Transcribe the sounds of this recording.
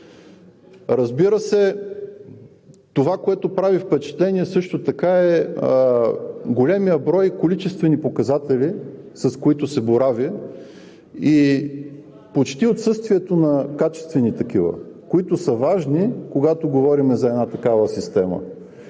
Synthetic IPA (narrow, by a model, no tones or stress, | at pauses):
ɾɐzbiɾəsɛ | t̪ovakoɛt̪opɾavifpɛt͡ʃɛ̥t̪lɛnʲiɛsɤʃt̪ot̪ɐkaɛ | ɡolɛmijəbɾɔjkolit͡ʃɛst̪vɛnipokɐzat̪ɛli | sɐskoit̪ʊsɛboɾavʲi | i | pot͡ʃt̪iot̪sɤst̪viɛt̪onɐkat͡ʃɛ̥st̪vɛnit̪ɐkivə̰koit̪ʊsəvaʒnikoɡat̪oɡovɔɾimɛzɐɛd̪nat̪ɐkavəsist̪ɛmə̰